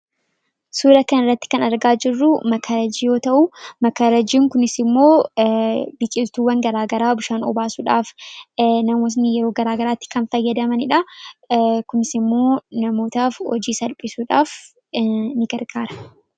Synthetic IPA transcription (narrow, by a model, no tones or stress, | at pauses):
suːlɐkɐnɪrːɐt̪ːɪ̥kɐnɐɾɡaːd͡ʒɪrːʊmɐkʰaɾɐd͡ʒiːjo̞ːt̪ɐʔʊmɐkaɾɐd͡ʒiːŋkʊnɪsɪmːo̞ː | bɪt͡ʃʼɪlt̪uːwɐŋɡɐɾaːɡɐɾaːbʊʃaːnɔ̰baːsuᶑaːf | nɐmoːs̬nɪjɛɾo̞ːɡɐɾaːɡɐɾaːt̪ːɪ̥kɐnfɐjːɐd̪ɐmɐnɪᶑɐ | kʊnɪsɪmːo̞ːnɐmo̞ːt̪aːfhɔ̰d͡ʒiːsɐlpʼɪsuːᶑaːf | nɪɡɐɾɡaːɾɐ̥